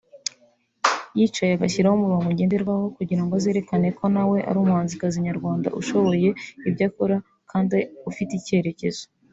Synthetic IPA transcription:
jit͡ʃajeaɡaçiɾahomuɾomuɟe̞ːndeɾɡwaːho̞kuɟiɾaŋɡoazeːɾe̞kane̞kʰo̞nawe̞ʔa̰ɾumhaːnzikaziɲaɾɡwaːnda̰ʔṵʃo̞βo̞je̞ibɟaːkoɾa | kʰaːndiufitice̞ɾe̞ce̞z̥o

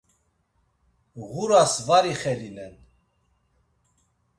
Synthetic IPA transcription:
ɣuɾasvaɾiχɛlinɛn

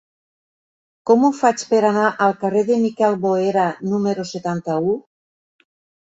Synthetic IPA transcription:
komufat͡ʃpeɾanaʔalˠkareðemikɛlβoeɾanumeɾoset̪ant̪au

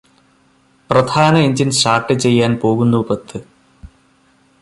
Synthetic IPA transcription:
prɐd̪ʰʱaːnɐiɲd͡ʑinʂaːʈːɨt͡ɕe̞jːaːnpo̞ːɣunːupɐt̪ːɨ

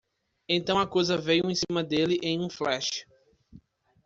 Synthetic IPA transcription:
ẽnt̪ɐ̃w̃ɐkojzɐvejuẽsĩmɐd̪elɪʔẽj̃ũflɛʃɪ̥

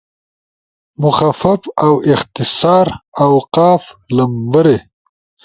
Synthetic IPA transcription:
mʊxafafawɪxt̪ɪsɑːɾawqɑːflambəɾe

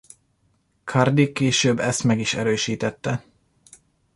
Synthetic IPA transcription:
kʰɑrd̪ikeːʃøːbːɛst̪mɛɡiʃɛɾøːʃiːt̪ɛt̪ːɛ

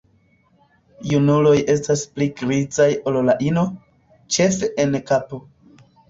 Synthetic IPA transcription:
junulo̞je̞staspliɡɾid͡zajo̞llaʔino̞ | t͡ʃe̞fe̞ʔenkapo̞

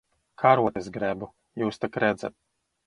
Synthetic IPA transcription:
kʰaɾuɔt̪esɡɾɛbu | juːst̪akɾɛd̪za̰t̪̚

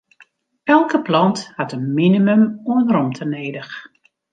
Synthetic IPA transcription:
ɛlˠkəplɑnthatənminiməmuənəɾɔmtʰəneːdəx

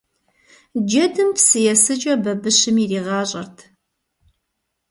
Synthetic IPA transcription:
d͡ʒɐdɨmpsɨjɛsɨt͡ʃʼɐbɐbɨɕɨmiːriːʁɑːɕʼɐ̰rtʰ

